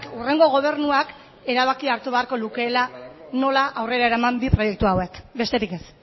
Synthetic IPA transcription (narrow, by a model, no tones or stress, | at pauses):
kure̞ŋɡo̞ɣ̞o̞β̞e̞ɾnuak | e̞ɾaβ̞akiaɾt̪uβe̞aɾko̞luke̞lano̞laʔawre̞ɾae̞ɾamambipɾo̞je̞k̚t̪uawe̞kbe̞st̪e̞ɾike̞s